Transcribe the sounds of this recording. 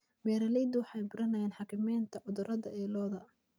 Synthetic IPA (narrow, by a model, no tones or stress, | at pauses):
mɛːɾɐlɛjd̪ʊwɑħɑjbʊɾʔɐnɐjɛːnħɑkʰɪmɛːnt̪ʰɐʔʊðʊɾʔɐðɐʔɛːlɔːðɐ